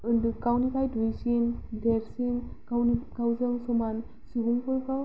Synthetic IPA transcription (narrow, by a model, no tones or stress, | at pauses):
ɯndɯkawnikʰajdujsindeɾsiŋakawzɯŋsɔman | suɡuŋpɯɾkaw